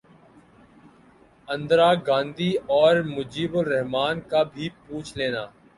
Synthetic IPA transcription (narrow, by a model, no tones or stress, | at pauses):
ɐ̃nd̪ɾaːɡãːnd̪iɔːɾmʊd͡ʒiːbʊlɾɛɦmaːnkabʱipuːt͡ʃʰleːnaː